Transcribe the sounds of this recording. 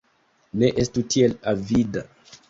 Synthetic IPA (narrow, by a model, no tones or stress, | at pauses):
ne̞ʔestutʰielavida